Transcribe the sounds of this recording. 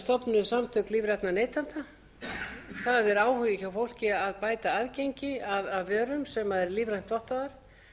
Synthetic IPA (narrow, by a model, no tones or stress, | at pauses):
st̪ɔpnʏðsamt̪ʰœkliːvɾat̪naneːjt̪ant̪a | θaðɛɾaːwhʏjɪçawfowl̥cɪaðpaːjt̪aaðcejɲcɪaðaðvɛːɾʏmsɛmaðɛɾliːvɾajn̥t̪vɔht̪aðaɾ̥